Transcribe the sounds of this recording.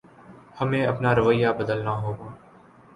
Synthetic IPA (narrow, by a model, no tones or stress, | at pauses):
həmẽːəpnaːɾəʋəjːaːbəd̪əlnaːɦoːɡãː